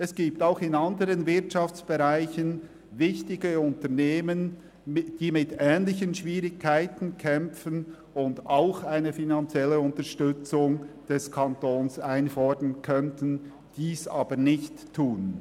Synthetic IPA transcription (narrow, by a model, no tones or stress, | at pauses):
ɛsɡ̥iːp̚taʊxɪnɑndəɾənvɪɐtʃɑft͡sb̥ɛʁaɪçən | vɪçtɪɡəʊntəneːmən | d̥iːmɪtɛːnlɪçənʃviːɾɪkʰːaɪtn̩kʰɛmfən | ʊndʔaʊxaɪnəfinant͡sjɛlːəʊntəʃtʏt͡sʊŋd̥ɛskʰɑntoːnsaɪnfɔdənkʰœntən | d̥iːsɑ̰ːbənɪçtʰːuːn